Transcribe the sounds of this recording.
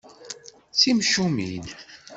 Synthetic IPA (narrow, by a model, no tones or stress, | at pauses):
t͡simʃumin